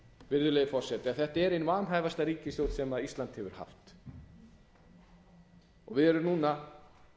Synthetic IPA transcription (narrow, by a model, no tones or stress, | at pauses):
vɪɾðʏlejðʏfɔr̥sɛt̪ɪaθɛht̪aɛɾejnvaːnɦaːjvast̪aɾiːcɪsjowt̪sɛmaðist̪lant̪hɛvʏɾ̥ha̰ft̪ | ɔɣvɪðɛɾʏmnuːna